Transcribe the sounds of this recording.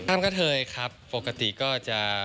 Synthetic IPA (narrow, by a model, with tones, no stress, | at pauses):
aː˥˩mkʰa˥˩t̪ʰɤː˧jkʰa˦˥pːo˨˩ka˧t̪i˨˩kɔː˥˩t͡ɕa˨˩